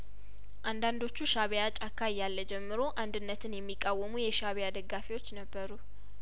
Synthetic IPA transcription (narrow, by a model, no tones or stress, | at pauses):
ʔand̪and̪o̞t͡ʃːuʃaβjat͡ʃʼakʰːajːalːəd͡ʒɛmːɨɾo̞ʔand̪ɨnːət̪ʰɨnjɛmːikʼːawːəmujɛʃaβejad̪əɡːafiwo̞t͡ʃːnəbːəɾu